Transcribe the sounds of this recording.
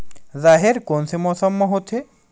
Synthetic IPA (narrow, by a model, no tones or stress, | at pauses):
zaːɦeɾkonsemɔsəmːəɦot̪ʰe